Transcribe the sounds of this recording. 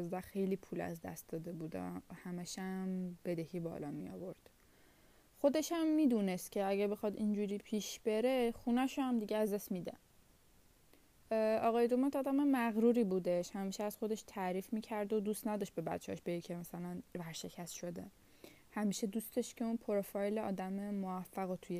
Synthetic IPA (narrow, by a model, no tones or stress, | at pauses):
zd̪æxe̞jliːpʰuːlæ̰zd̪æ̰st̪̚d̪ɒːd̪e̞buːd̪æ̰mhæmæʃæmb̥e̞d̪ehiːbɒ̰ːlɒ̰mijɒ̰ːvo̞ɾd̪̥ | xo̞d̪e̞ʃæmːiːd̪uːnest̪cʲʰe̞æɟæbe̞xɒd̪ind͡ʒuːɾiːpʰiːʃb̥e̞ɾexunæʃohæmd̪iɟeæzd̪æsmiːd̪æ̰n | ɒːɣɒːjed̪omæt̪ɒːd̪æmemæɣɾuːɾiːbuːd̪eʃhæmiːʃeæz̥xo̞d̪e̞ʃt̪ʰæɾiːfmiːcʰæɾd̪od̪uːst̪næd̪ɒʃt̪be̞bæ̰t̪t͡ʃʰːeɒʃbejicʰemæsælænvæɾʃe̞cʰæst̪ʃo̞d̪e | hæmiːʃe̞d̪ust̪eʃcʰe̞unpʰoɾfɒjleɒ̰ːd̪æmemovæfːæɣot̪ʰuje